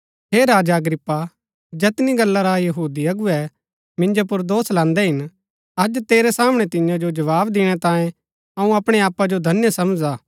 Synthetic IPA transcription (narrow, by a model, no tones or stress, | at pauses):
ɦeːɾaːd͡ʒaəɡɾɪpːa | d͡ʒɛːt̪niɡɐlːaɾajɐɦuːd̪iɐɡuɛ | mɪ̃nd͡ʒop̬ʊɾd̪oːslãːnd̪ɛɦɪn | ɐd͡ʒt̪eːɾɛsaːməɽ̃ɛt̪ɪjãd͡ʒod͡ʒɐʋaːbd̪ɪɽ̃ɛt̪ãːjẽ | ɐũɐpɽ̃eaːpːad͡ʒod̪ʱɐnjsɐmd͡ʒaː